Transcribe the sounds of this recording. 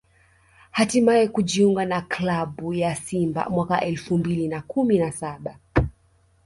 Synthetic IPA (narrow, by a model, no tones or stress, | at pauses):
hatimaɛkuʄiuŋɡanaklaɓujasimba̰mwakaʔɛlfumbilinakuminasaɓa